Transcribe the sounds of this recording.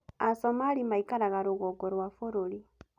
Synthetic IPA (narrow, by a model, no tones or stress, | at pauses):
asomalimaikaɾaɣaɾuɣoɡoɾwafuɾuli